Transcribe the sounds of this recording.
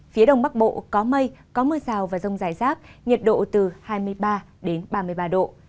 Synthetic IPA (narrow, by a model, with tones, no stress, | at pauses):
fi˨˦ɗə˧wŋ͡mɓa˦˥k̚ɓo̰˧˨kɔ˨˦mə˧jkɔ˨˦məː˧saː˨˩wvaː˨˩zə˧wŋ͡mzaː˧˩jzaː˦˥k̚ɲə˨˩t̚ɗo̰˧˨t̪ɨ˨˩haː˧jmɨ˧əjɓaː˧ | ɗe˨˦nɓaː˧mɨ˧əjɓaː˧ɗo̰˧˨